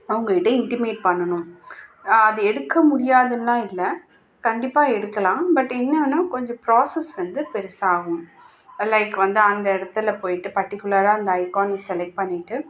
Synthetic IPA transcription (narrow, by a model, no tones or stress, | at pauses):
ɐʋɐŋɡɐɪʈːɐɪɳʈɪmeːʈ̚pɐɳːɐnʊ̃m | ɐðɯɛɽɯkːɐmʊɽɪjaːðɯlːãːɪlːɐ | kɐɳɖɪpːaːɛɽɯkːɐlãːbɐʈːɪnːɐɐnːaːkɔɲd͡ʒɔ̃pɾoːsɛsʋɐnd̪ɯpɛɾɪsaːɣɯ̃m | lɐɪkːʋɐnd̪ɯɐnd̪ɐɪɽɐt̪ːɪlɐpoːjɪʈːɯpɐɾʈːɪkːɯlɐɾaːɐnd̪ɐɐɪkoːnisɛlɛk̚ʈ̚pɐɳːɪʈːɯ